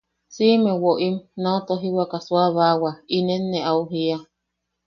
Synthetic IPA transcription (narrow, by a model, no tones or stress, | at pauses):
simewoʔimnaot̪oɦiwakaswaβawainenːeʔauɦia